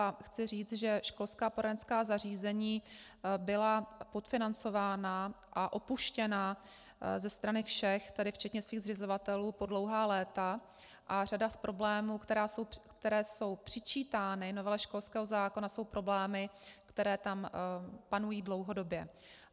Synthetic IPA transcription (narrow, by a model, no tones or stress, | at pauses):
axt͡sɪriːt͡s̪ʒɛʃko̞lskaːpoɾadɛnskaːzariːzɛɲiːbɪlapo̞t̪fɪnant͡so̞vaːna | ʔaʔo̞puʃcɛna | zɛst̪ɾanɪfʃɛxt̪adɪft͡ʃɛt̪ɲɛsviːɣzrɪzovat̪ɛluːpo̞dlo̞wɦaːlɛːt̪a | ʔar̝adaspɾʔo̞blɛːmuːkt̪ɛɾaːsowkt̪ɛɾɛːso̞wpr̝̥ɪt͡ʃiːt̪aːnɪno̞vɛlɛʃko̞lskɛːɦozaːko̞naso̞wpɾo̞blɛːmɪkt̪ɛɾɛːt̪ampanujiːdlo̞wɦo̞do̞bjɛ